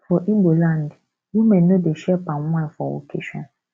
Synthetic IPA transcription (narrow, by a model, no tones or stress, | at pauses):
fɔʔibolãnd | jumɛ̃nːodeʃɛpãnwãfɔwo̰kʰeʃɔ̃n